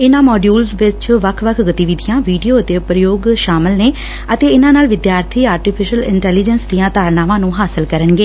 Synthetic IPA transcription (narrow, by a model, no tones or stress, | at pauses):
ɪnãːmɔːɖjuːlzʋɪt͡ʃʋəkʰʋəkʰɡət̪iːʋɪd̪ʱijãːʋiːɖijoːət̪eːpɾəjoːɡʃaːmɪlneː | ət̪eːɪnãːnaːlʋɪd̪jaːɾt̪ʰiːaːɾʈɪpʰɪʃəlɪ̰ɳʈɛːliːd͡ʒənsd̪ijãːd̪aːɾnaːʋãːnũːɦaːsɪlkəɾəɳɡeː